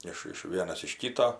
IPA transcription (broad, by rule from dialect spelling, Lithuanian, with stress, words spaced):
ˈɪʃ ɪʃ ˈʋʲiɛnɐs ɪʃ ˈkʲiːtoː